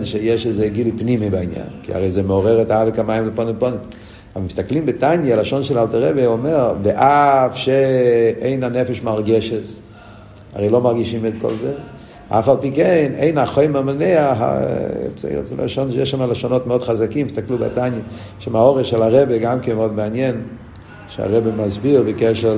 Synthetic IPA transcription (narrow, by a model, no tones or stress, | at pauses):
nʃejɛʃezeɡilujpnimibainja̰nkḭa̰ʁejzemeoʁeʁetaavekamajimbeponimponim | amist̪aklimbetanjalaʃonʃelaltaʁebeomeʁveʔafʃeejnanefeʃmaʁɡeʃes | a̰ʁejlomaʁɡiʃimet̪ko̰lze | afalpikenejnaχojmamaneaɦa̰sd̰sʃonjɛʃːamaleʃonotmeod̥̪χazakimːistakluba̰tanje | ʃemaoʁeʃelaʁebeɡamkenmeod̪meanjen | ʃea̰ʁebemazbiʁbekɛʃel